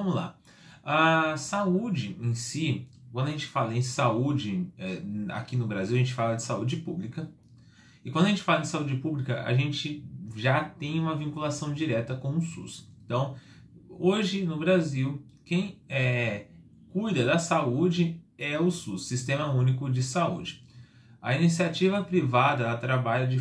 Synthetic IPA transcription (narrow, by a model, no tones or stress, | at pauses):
vɐ̃mʊzla̰ | asaud͡ʒɪẽsikwɐ̃nd̪ʊɐʒẽnt͡ʃɪ̥falɐẽsaud͡ʒɪɛa̰kinʊbɾaziwɐʒẽt͡ʃɪfalɐd͡ʒɪsaud͡ʒɪpublikɐ | ɪkwɐ̃d̪ɐʒẽnt͡ʃɪ̥falɐ̃d͡ʒɪ̃saud͡ʒɪpublikɐʔa̰ʒẽnt͡ʃɪʒat̪ẽj̃ũmɐvĩkulasɐ̃w̃d͡ʒiɾɛt̪ɐkõw̃ʊsṵsẽt̪ɐ̃w̃ | oʒɪnʊbɾaziw | kẽj̃ɛ | kujd̪ɐd̪ɐsaud͡ʒɪɛʊsusːist̪ẽmɐũnikʊd͡ʒɪsaṵd͡ʒɪ | ɐ̰inisiat͡ʃivɐpɾivad̪ɐat̪ɾabaʎɐd͡ʒɪ